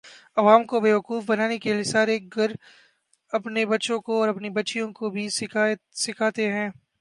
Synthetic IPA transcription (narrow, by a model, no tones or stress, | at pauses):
ɐʋaːmkobeːʋɐquːfbɐnaːnekeliesaːɾeːk̚ɡɐɾ | ɐpnebɐtːʃõkoɔːɾɐpnibɐtːʃijõkobʱisɪasɪkʰaːt̪eɦɛ̃ː